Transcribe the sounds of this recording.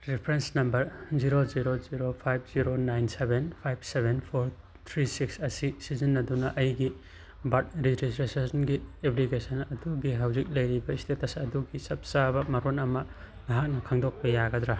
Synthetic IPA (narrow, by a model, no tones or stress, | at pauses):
ɾipʰɾensnɐmbɐɾziɾoziɾoziɾopʰajb̚ʰz̥iɾonajnsebʱenpʰajb̚sebʱenpʰoɾ | t̪ʰɾisiksɐsisizinːɐdunɐʔɐjɡi | bɐt̚ɾiɾisɾesesɐnɡiepliɡesɐnɐduɡiɦawzik̚lɐjɾibɐistetɐsɐduɡisɐp̚sabɐmɐɾonɐmɐ | lɐɦak̚nɐkʰaŋdok̚pɐjaɡɐd̪ɾa